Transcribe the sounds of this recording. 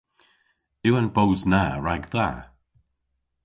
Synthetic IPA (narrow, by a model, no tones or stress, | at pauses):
ɪwənbowznaɹaɡðaː